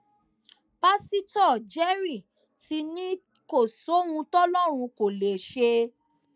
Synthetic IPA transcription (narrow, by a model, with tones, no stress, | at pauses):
pa˦si˦tɔ˦˨d͡ʒɛ˦ɾi˦˨ | ti˧nĩ˦ | ko˦˨so˨˦wũ˧tɔ˦lɔ˦˨ɾ̃ũ˧ko˨le˨ʃe˧